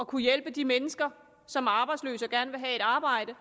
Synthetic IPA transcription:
ɒ̽kʰujelb̥əd̥imenəsɡ̥ɐ | sɒ̽mæɐɑ̈ːb̥ɑ̈ɪ̥slø̰ːsɒɡ̥æɐnəʋe̝ɦɛe̝ɾ̥ɑ̈ːb̥ɑ̈ɪ̰d̥ə

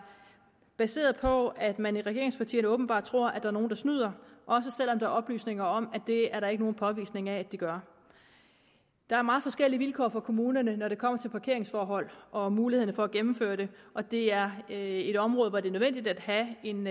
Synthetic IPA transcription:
b̥æse̝̰ːɐð̩ˠpʰɒ̽æd̥mæniʁɛɡ̥e̝ɐeŋspʰɑ̈t͡sʰḭːɐnəɔ̽ːb̥n̩b̥ɑ̰̈ːd̥̚t͡sʰʁo̝ɐ̰æd̥ɑ̈æɐno̝ːn̩d̥ɑ̈snyð̰ˠɐʔɒ̽s̬əsel̰ɒ̽md̥ɑ̈æɐɒ̽b̥ly̰ːsne̝ŋɐɒ̽mæd̥e̝æɐɾɑ̈e̝ɡ̥əno̝ːn̩pʰɒ̽ʋḭːsne̝ŋææd̥iɡ̥ɶɐ | d̥ɑ̈æɐmɑ̈ːð̩ˠfɒ̽sɡ̥el̰iʋilkʰɒ̰ːfɒkʰo̝muːnɐnənɒɾ̥e̝kʰɒ̽m̰ɐt͡sʰe̝lpʰɑ̈kʰe̝ɐe̝ŋsfɒːɦɒ̽l̰ʔɒ̽muːliheð̰ˠn̩əfɒ̽ːæɡ̥emm̩fø̰ːɐɾ̥e̝ʔɒ̽d̥e̝æɐe̝d̥ɒ̽mʁɔːð̩ˠʋɒd̥e̝nøðˠʋen̰d̥id̥æd̥ɦæe̝n

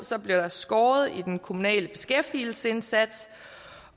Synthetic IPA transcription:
sɒ̽b̥liɐd̥ɑ̈sɡ̥ɒːð̞̩ˠid̥enkʰo̝munɛ̰ːləb̥e̝sɡ̥efd̥il̩səe̝nsæd̥s

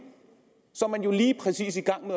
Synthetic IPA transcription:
sɔmɛnjoliːpʰʁɛsḭːs̬iɡ̥äŋmə

